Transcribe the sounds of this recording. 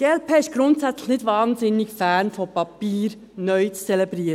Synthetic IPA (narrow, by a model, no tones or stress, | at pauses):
elpʰeːɪʃɡ̥ɾʊntsætt͡sləχnɪdʋɑːnsɪnːikfæːnfɔpɑpiːɾ | nœʏt͡st͡sɛlɛbɾiːəɾəə